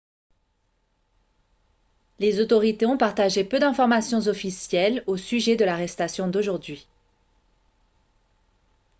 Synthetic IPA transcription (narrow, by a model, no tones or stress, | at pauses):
lezot̪ɔʁit̪eɔ̃paʁt̪aʒepød̪ɛ̃fɔʁmasjɔ̃zɔfisjɛlosyʒɛd̪əlaʁɛst̪asjɔ̃d̪oʒuʁd̪ɥi